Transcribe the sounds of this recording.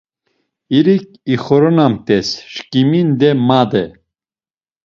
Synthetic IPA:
iɾik | iχɔɾɔnamt̪ɛsʃkimind̪ɛmad̪ɛ

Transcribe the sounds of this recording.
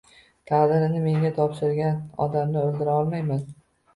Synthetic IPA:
t̪ʰad̪ɪɾɪnɪme̞ŋʲat̪ʰɒpʃɪɾɡʲanɒ̰d̪amnɪɵld̪ɪɾaɒlˠmajman

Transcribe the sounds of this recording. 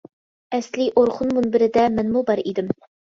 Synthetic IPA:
ɛsliʔoɾχʊnmunbɪɾɪd̪ɛmɛnmubɑɾid̪ɪm

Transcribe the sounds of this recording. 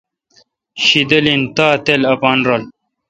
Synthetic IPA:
ɕid̪ɐlint̪aːt̪elɐpaːnɾɐl

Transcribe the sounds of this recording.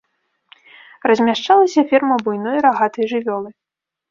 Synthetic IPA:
rɐzʲmʲaʂt͡ʂalˠɐsʲɐfʲɛrmɐbujnɔjɾaɣat̪ɐjʐɨvʲɔlˠɨ

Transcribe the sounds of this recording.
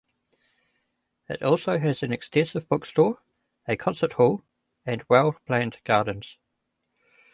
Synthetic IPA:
ɪ̰tɔˑlˠsəʊəzə̃nɛkstʰɛ̃nsɪvbʊkstɔːɹ | əkʰɒ̃nsəʔhɔlˠ | ə̃nwɛlˠpʰl̥æ̃ndɡ̥ɑːdⁿn̩z̥

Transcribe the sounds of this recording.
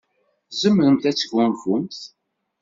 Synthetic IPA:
zəmːəɾəmθæt͡sːəɡʷːʊnfʊmθ

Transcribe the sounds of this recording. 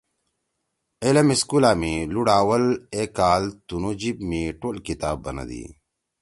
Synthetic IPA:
elɐmiskulaːmiluɽaːwɐlekaːlt̪unod͡ʑibmiʈoːlkit̪aːbːɐnɐ̰d̪ḭ

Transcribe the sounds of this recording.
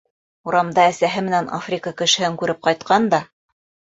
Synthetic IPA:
uɾɑmd̪ɑæsæɦɘmɘ̆nænʔa̰frʲikəkɘ̆ʃɘ̆hɘŋkʉɾɘp̚qɑjt̪qɑnd̪ɑ

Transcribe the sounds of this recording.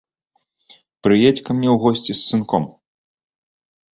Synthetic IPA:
pɾɨjɛt͡sʲkɐmnʲɛwɣɔsʲt͡sʲisɨnkɔm

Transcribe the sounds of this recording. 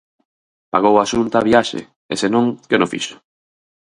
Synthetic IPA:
paɣ̞owaʃunt̪aβiaʃḛ | ḛsenõŋkɪnofḭʃʊ̥

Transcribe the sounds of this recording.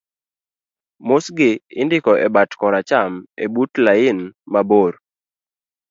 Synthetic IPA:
mosɡɪɪndɪkɔʔɛbatkɔɾat͡ʃamḛbutlaɪnmaboɾ

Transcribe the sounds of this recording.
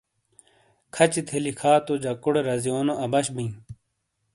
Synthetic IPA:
kʰɐt͡ɕit̪ʰelikʰaːt̪od͡ʑɐkuɽeɾɐzijoːnoʔɐbɐɕbĩː

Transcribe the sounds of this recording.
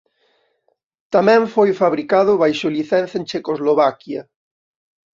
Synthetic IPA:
t̪amɛ̃ɱfojfaβɾikaðʊβajʃoliθɛ̃nθaent͡ʃekozloβakja

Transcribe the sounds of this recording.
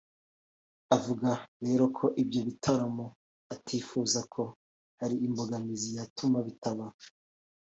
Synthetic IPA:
avuɡaɾe̞ːɾo̞kʰo̞ʔibjo̞βitʰaɾamu | atʰiːfuːzakʰo̞ | haɾiːmbo̞ɡamizijatʰumaβitaβa

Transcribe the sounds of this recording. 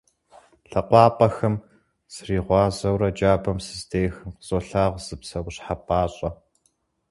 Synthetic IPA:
ɬɐqʷɑːpʼɐxɐm | sriːʁʷɑːzɐwɾɐd͡ʒaːbɐmsɨzdeːxɨmqz̥oɬaːʁʷz̥ɨpsɐɡʷɕħapʼaːɕʼɐ

